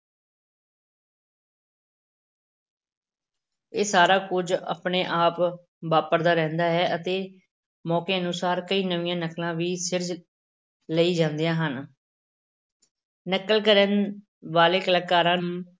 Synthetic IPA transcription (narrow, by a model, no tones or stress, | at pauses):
eːsaːɾaːkʊd͡ʒə̰pɳeːʔaːp | ʋaːpəɾd̪aːɾɛ̃ːnd̪aːɦɛːʔət̪eː | mɔːkeːənʊsaːɾkəiːnəʋɪjãːnəklãːʋiːsɪɾd͡ʒ | ləiːd͡ʒãːnd̪ejãːɦən | nəkəlkəɾən | ʋaːleːkələkːaːɾãː